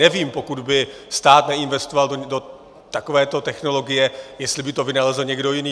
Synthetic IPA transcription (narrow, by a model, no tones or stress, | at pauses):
ɛviːmpo̞kudbɪ | st̪aːt̪nɛɪnvɛst̪ovaldodo | t̪ako̞vɛːt̪ot̪ɛxno̞lo̞ɡɪjɛjɛst̪lɪbɪt̪o̞vɪnalɛzl̩ɲɛɡdo̞jɪniː